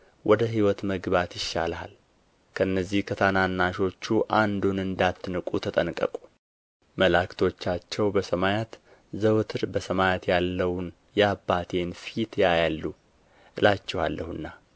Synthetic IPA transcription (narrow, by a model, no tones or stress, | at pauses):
wʔɔd̪əɦiwɔt̪məɡbat̪jɪʃːa̰lha̰l | kʰəɨnːəzːihkʰət̪ʰananːaʃo̞t͡ʃːuʔand̪unɨnd̪at̪ːɨnɨkʼut̪ʰət̪ʼənkʼːə̰kʼu̥ | məlakt̪ʰo̞t͡ʃːat͡ʃːɛwbəsəmajat̪ | zəwt̪ʰɨɾbəsəmajat̪jalːəwn | jɛabːat̪ʰe̞nfit̪jajalːu | ɨlat͡ʃːɛha̰lːʔəhɨnːa